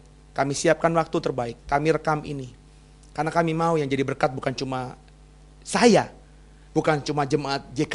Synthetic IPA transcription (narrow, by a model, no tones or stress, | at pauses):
kamisiap̚kanwak̚t̪ut̪ərbaɪkːamiɾəkamḭni | kanakamimaujaŋd͡ʒadibərkat̪̚bukant͡ʃuma | saja | bukant͡ʃumad͡ʒəmaːt̪̚d͡ʒek